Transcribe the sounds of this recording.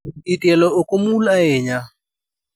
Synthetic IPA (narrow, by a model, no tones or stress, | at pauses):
itʼɛlɔʊkʼomulaɪːɲa